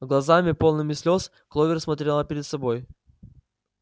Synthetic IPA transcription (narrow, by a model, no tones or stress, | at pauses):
ɡlˠɐzamʲɪpo̞lˠnɨmʲɪsʲlʲos | klˠovʲɪɾəsmɐt̪ɾʲelˠəpʲɪɾʲɪt̪sɐbo̞j